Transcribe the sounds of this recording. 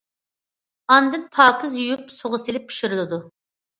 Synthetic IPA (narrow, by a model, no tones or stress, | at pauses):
ɑnd̪ɨnpʰɑːkʰɨzjujupsoʁʊselɪpʰːi̥ʃiɾɪlɪd̪u